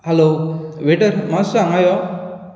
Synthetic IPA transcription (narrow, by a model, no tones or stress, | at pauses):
hɛloʋeʈəɾmasãŋajɔ